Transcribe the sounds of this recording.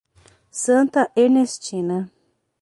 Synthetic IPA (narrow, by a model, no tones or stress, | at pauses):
sɐ̃nt̪ɐʔeɾnest͡ʃĩnɐ